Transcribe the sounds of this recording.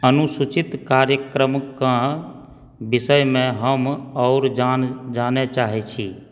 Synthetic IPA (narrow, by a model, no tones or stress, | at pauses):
ənusut͡ʃit̪kaɾjəkɾəmkːã | bisəjmẽɦəmɔʊɾd͡ʒand͡ʒanet͡ʃaɦɛt͡ʃʰi